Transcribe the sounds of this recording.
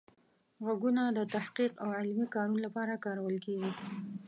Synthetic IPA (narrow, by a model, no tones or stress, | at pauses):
ɣaɡunad̪ət̪ahqiqawʕɪlmikɑnunlapɑɾakɑɾawəlkeɡi